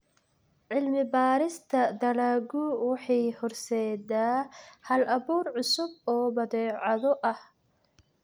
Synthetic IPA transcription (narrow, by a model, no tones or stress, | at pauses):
ʕɪlmɪbaːɾɪst̪ʰɐd̪ɐlaːɡʊwɑħɑjhɔrsɛːdaːhɐlʔɐβuːrʕʊsʊbɔːbɐðɛːʕɑðɔʔɐh